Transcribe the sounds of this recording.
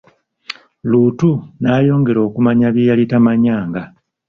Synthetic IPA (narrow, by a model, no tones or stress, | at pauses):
luːtunaːjo̞ːŋɡe̞ɾo̞ːkumaɲaβjijalitamaɲaːŋɡa